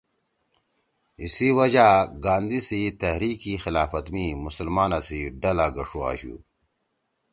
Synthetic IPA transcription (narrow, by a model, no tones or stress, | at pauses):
isiwɐd͡ʑaɡaːnd̪isit̪ɐhɾiːkixilaːfɐt̪mimusəlmaːnasiɖɐlaɡɐʂua̰ːɕṵ